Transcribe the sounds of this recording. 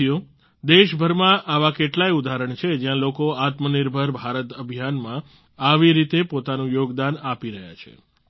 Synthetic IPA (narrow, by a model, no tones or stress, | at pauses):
jo | d̪eʃbʱəɾmãʔaʋakeʈlajud̪aɾəɳt͡ʃʰed͡ʒjãlokoat̪məniɾbʱəɾbʱaɾət̪əbʱjanmã | aʋiɾit̪epot̪anũjoɡd̪anapiɾəɦja̰t͡ʃʰḛ